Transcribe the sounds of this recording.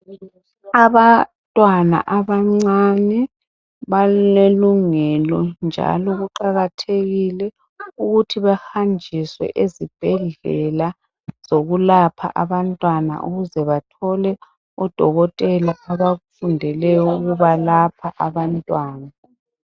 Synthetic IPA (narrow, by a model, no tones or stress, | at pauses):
aβantʼwana̰ʔaβaŋ͡ǀanɛ | βaleluŋɛlɔnd͡ʒʱa̰lɔɣuǃaɣatʰeɣilɛ | uɣutʰiβɛxand͡ʒʱiswɛ̰ʔezib̥ʱɛɮɛla | z̥oɣulapʰa̰ʔaβantʼwana̰ʔuɣuzɛβatʰɔlɛ | ɔd̥ʱɔɣɔtʼɛlaʔaβaɣufundʱɛlɛjɔuɣuβalapʰaʔaβantʼwaːna